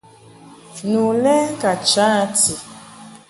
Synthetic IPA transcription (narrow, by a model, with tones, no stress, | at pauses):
nu˨lɛ˦ka˨t͡ʃa˦ti˨